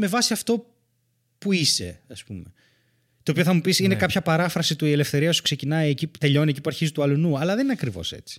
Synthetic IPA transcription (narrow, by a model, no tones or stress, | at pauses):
me̞vɐsiɐft̪o̞ | puise̞̰ɐspume | t̪o̞ːpioθɐmupisinekɐpçɐpɐɾɐfɾɐsit̪uie̞lefθe̞ɾiɐsu̥kse̞cinɐiecit̪e̞ʎo̞nie̞cipuɐɾçizit̪uɐlunuɐlɐðe̞nineɐkɾivo̞̰se̞̰t͡si̥